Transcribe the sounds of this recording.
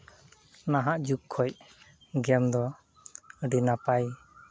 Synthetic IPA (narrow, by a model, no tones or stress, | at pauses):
naɦaʔd͡ʒukkʰːɔj | ɡɛmd̪ɔ | ɖinapaj